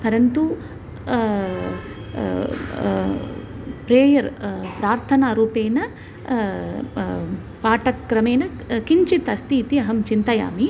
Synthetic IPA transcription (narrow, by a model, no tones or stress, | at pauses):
pɐɾɐnt̪u | pɾeːjɐɾpɾaːɾt̪ʰɐnaːɾuːpeːnɐ | paːʈɐkːɾɐmeːnɐkiɲt͡ʃit̪ɐst̪iːt̪iɐɦɐmt͡ʃint̪ɐja̰ːmi